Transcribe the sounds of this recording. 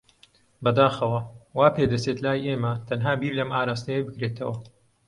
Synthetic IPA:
bɐd̪aːxɐwɐwaːped̪ɐt͡set̪laːjʔeːmɐt̪ʰɐnɦaːbiːɾlɐmaːɾaːst̪ɐjebɨkɾeːt̪ʰɐwɐ

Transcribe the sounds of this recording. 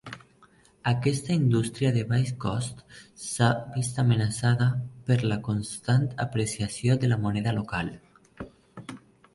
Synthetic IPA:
akɛst̪aind̪ust̪ɾiaðeβajskɔst̪sabist̪amenasaðapəɾlakonst̪ant̪apɾesiasjoðelamonɛðalokal

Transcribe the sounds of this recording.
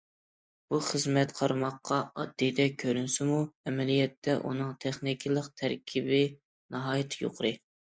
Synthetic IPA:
b̥uχəzmɛt̪qʰɑɾmɑqːɑɑd̪ːijd̪ɛkʲʰøɾynsɪmuɛmɛlijɛt̪ʰːɛʔṵnɨŋt̪ʰeχnikʲʰilˠəqt̪ʰæɾkʲʰibɪ | nɑɦɑːjɪt̪ʰjo̰qʰɾɨ

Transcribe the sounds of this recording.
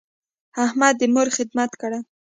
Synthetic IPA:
ahmad̪ːəmʊɾxɪd̪mat̪kaɽa

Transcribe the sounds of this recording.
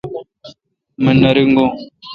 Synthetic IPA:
mənːaɾiŋɡo

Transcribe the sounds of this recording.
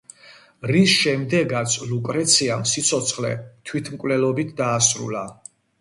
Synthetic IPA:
ɾisʃɛmd̪ɛɡat̪sʰlukʼɾɛt̪sʰiamsit̪sʰɔt̪sʰχlɛ̰t̪ʰwit̪ʰmkʼvlɛlɔbit̪ʰd̪aːsɾṵla

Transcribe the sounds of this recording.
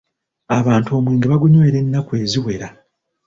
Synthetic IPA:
aβaːnto̞ːmweːŋɡeβaɡuɲwe̞ːɾe̞nːakwe̞ːziwe̞ɾa

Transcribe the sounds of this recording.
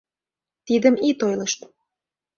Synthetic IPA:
t̪id̪əmit̪ojləʃt̪

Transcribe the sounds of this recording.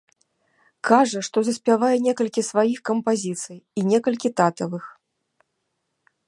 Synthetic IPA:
kʰaʐɐʂt̪ɔzɐsʲpʲavajɛnʲɛkɐlʲkʲisvajixkɐmpazʲit̪sɨjinʲɛkɐlʲkʲit̪at̪ɐvɨx

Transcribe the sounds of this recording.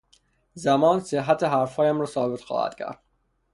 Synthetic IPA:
zæmɒːnseɦːæt̪ʰeɦæɾfhɒːjæmɾɒːsɒːbet̪xɒ̰ːhæ̰d̪̥cʰæ̰ɾd̪̥̚

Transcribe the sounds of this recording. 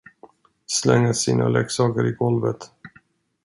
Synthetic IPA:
slɛŋːəsiːna̰lɛksɑːkəɾɪɡɔlvət̪

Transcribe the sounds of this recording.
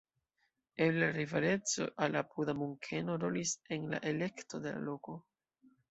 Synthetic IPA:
eaɾivaɾe̞t͡so̞̰ʔalapʰud̪amuŋkʰe̞no̞ɾo̞lise̞nla̰ʔe̞le̞kto̞d̪e̞la̰lo̞ko̞

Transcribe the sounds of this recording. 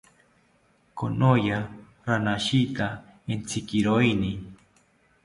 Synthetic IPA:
konoja | ɾanaʃit̪a | ent͡sʰikiɾoini

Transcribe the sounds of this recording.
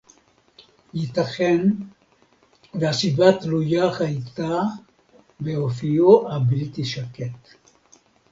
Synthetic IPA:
jit̪aχen | veasibat̪lujahajt̪a | beofijoʔabilt̪iʃaket̪

